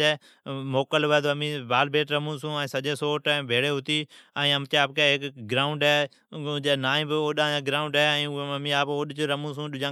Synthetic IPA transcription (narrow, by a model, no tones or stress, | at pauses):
eː | moːkəlʋəːd̪əmĩːbaːlbʱeːʈɾəmũːsũːɛ̃ːsəʄeːsoːʈẽːbʱeːɽeːɦʊt̪iːɛ̃ːəmt̪eaːpkeɦɪkɡɾaːʊɳɖe | d͡ʒeːnaːĩːbɪoːɗãːãːɡɾaːʊɳɖeɛ̃ːəmĩːaːpoːɗɪt͡ʃɾəmũːs̬ũːɗʊd͡ʒãː